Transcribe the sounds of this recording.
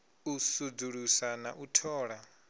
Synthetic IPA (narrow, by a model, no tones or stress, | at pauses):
usud͡zuɺusana̰ʔutʰɔːɺa